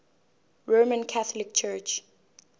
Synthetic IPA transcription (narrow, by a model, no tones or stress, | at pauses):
ɹomə̃nkʰaθɔlik̚t͡ʃʰɜt͡ʃ